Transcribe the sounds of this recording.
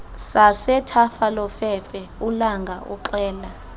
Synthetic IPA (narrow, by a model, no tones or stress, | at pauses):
sasɛtʰafalɔfɛfɛulaŋɡʱaʔṵǁɛːla